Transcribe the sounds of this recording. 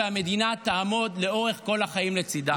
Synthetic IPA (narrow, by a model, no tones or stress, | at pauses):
eame̞d̪inat̪aːmo̞d̪le̞o̞ʁe̞χko̞laχajimlet͡sid̪a